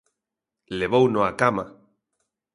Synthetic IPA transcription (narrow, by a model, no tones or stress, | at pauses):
leβownoakama